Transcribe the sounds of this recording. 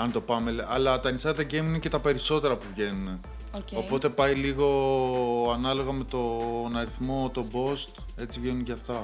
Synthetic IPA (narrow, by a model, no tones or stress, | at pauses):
ɐnt̪o̞pɐme̞lɐlɐt̪ɐnisɐðɐɟemnece̞t̪ɐpe̞ɾiso̞t̪e̞ɾɐpuvʝe̞nune̞ | co̞po̞t̪e̞pɐiliɣo̞ | ɐnɐlo̞ɣɐme̞t̪o̞nɐɾiθmo̞t̪o̞bo̞st̪ | e̞t͡sivʝe̞nunʝɐft̪o